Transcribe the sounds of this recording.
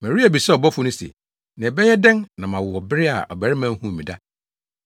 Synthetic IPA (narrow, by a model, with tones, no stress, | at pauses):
mæ̃˨ɾi˦æ˨bi˨sɛ˦ɔ˨bɔ˦fʊ˦nʊ̃˦sḛ˨ | nã˨bɛ˦jɛ˦dɛ̃˦nnã˨mã˨wʊ˨wɔ˨bɪ˦ɾɪ˦a̰˨ʔɔ̰˨bæ˨ɾɪ˦mã˦hũ˦˨mĩ˨da˦